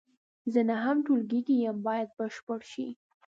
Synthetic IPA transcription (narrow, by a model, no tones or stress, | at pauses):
zənaɦamʈolɡiɡijambɑjad̪̚bəʃpəɽʃḭ